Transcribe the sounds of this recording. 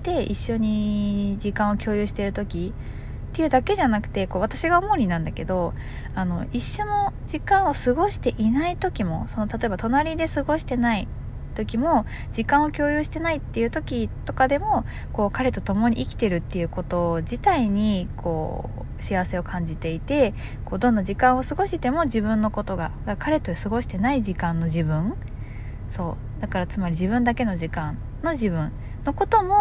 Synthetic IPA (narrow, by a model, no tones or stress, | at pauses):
t̪e̞iɕːo̞ɲ̟id͡ʑikãɰ̃o̞kʲo̞ːjɯ̟ːɕi̥t̪e̞ɾɯ̟t̪o̞kʲi | t̪ːe̞jɯ̟ːd̪ake̞ʑanakɯ̟̥t̪e̞ko̞ːβat̪aɕiɡaomo̞ɾʲinãnd̪ake̞d̪o̞ | ano̞iɕːo̞no̞d͡ʑikãɰ̃o̞sɨɡo̞ɕi̥t̪e̞ʔinait̪o̞kʲimo̞̰so̞no̞t̪at̪o̞e̞bat̪o̞naɾʲid̪e̞sɨɡo̞ɕi̥t̪e̞nai | t̪o̞kʲimo̞ | d͡ʑikãɰ̃o̞kʲo̞ːjɯ̟ːɕi̥t̪e̞nait̪ːe̞jɯ̟ːt̪o̞kʲit̪o̞kad̪e̞mo̞ | ko̞ːkaɾe̞t̪o̞t̪o̞mo̞ɲ̟iʔikʲi̥t̪e̞ɾɯ̟t̪ːe̞jɯ̟ko̞t̪o̞d͡ʑit̪aiɲ̟ikʰo̞̰ː | ɕiaβase̞o̞kʰãɲ̟d͡ʑit̪e̞it̪e̞ | ko̞ːd̪õ̞nːaʑikãɰ̃o̞sɨɡo̞ɕit̪e̞mo̞ʑibɯ̟̃nːo̞ko̞t̪oɡaɡakaɾe̞t̪oesɨɡo̞ɕi̥t̪e̞naiʑikãnːo̞ʑibɯ̟̃ɴ | so̞ː | d̪̥akaɾat͡sɨmaɾʲiʑiβɯ̟̃nd̪ake̞no̞ʑikãn | no̞ʑibɯ̟̃n | no̞ko̞t̪o̞mo̞